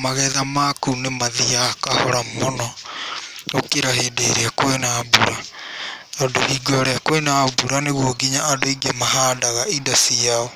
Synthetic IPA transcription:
maɣɛðamakunemaðiakahɔɾamonɔ | okeɾaɦeːdeɾeakwenabuɾa | tɔːdohiɡɔɔɾɛakwenabuɾaneɣwoɡiɲaːdoiɡamaɦaːdaɣaindasiaɔ

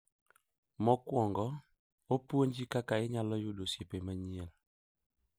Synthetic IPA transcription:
mɔkwɔŋɡɔ | opwoɲd͡ʒikakaɪɲalɔjʊdosepemaɲiel

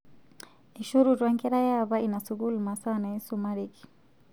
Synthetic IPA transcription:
iʃuɾuɾwaŋkɛɾajaβainasuɡulmasawanaisumaɾiki̥

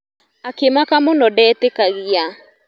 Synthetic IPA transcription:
akemakamonɔdɛːtekaɣia

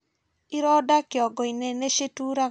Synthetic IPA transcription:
iɾɔdakɪɔɡɔineneʃetuɾa

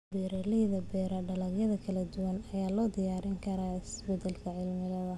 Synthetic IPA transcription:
biɾɛlɪðɐbɛːɾɐɖɐlɐɡjɐðɐkʰɐlɐd̪ʊwɐnɐjaːlɔːd̪ɪjaːɾɪŋkʰɐɾaːɪɪsbɛd̪ɛlkʰɐʕɪlmɪlɐðɐ

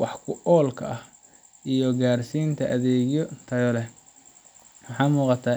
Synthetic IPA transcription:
wɑħkʰʊʔɔːlkʰɐʔɐh | ʔijɔɡaːrsiːnt̪ʰɐʔɐðɛːɣjɔt̪ʰɐɣɔlɛ | wɑħɑːmuːqɑt̪ʰaː

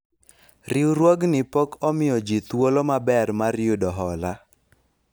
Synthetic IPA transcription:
rɪuɾwoɡnɪpɔkɔmɪjɔd͡ʒit̪wolomabɛrmaɾjudɔɦɔla

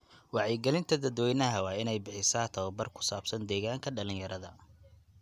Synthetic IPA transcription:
wɑʕjɛɡɛlɪnt̪ʰɐd̪ɐd̪wɛjnɐɦɐwɑːɪnɛjbɪħɪsaːt̪ʰɐwɐbɐrkʰʊ̥saːb̥sɐnd̪ɛːɣaːŋkʰɐɖɐlɪ̃ɲjɐɾɐðɐ

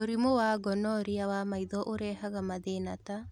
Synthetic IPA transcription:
oɾimowaɡɔnɔɾiawamaiðɔʔoɾɛːhaɣamaðenata

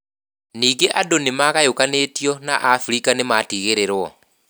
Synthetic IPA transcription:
niːɡeʔadonemaɣajokanetjɔna̰ʔafuɾikanematiɣeɾeɾwɔ

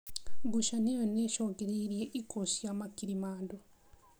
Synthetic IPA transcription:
ɡuʃanejoneːʃoːɡeɾiɾjeʔikosijamakiɾimaːndo

